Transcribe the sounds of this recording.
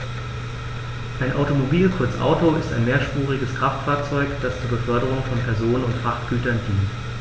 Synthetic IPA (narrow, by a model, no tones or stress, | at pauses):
ʔaɪnʔa̰ʊtomobiːlkʰʊɐt͡sʔa̰ʊtoʔɪstaɪnmeːɐʃpuːʁ̞ɪɡəskʁ̥aftfaːɐt͡sɔʏkd̥ast͡suːɐbəfœɐɾəʁ̞ʊŋfɔnpʰɛɐzoːnənʊntfʁ̥aχtɡ̥yːtɐndiːnt